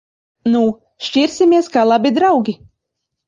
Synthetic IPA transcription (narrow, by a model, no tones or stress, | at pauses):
nu | ʃcʲiɾsʲimʲiɛskalˠabʲid̪ɾawɡʲi